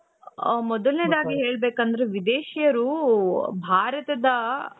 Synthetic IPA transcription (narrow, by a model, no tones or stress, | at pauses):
mɔd̪ɐlned̪aːɡiɦeːɭbeːkɐnd̪ɐɾeʋid̪eːʃijɐɾu | bʱaːɾɐt̪ɐd̪ɐ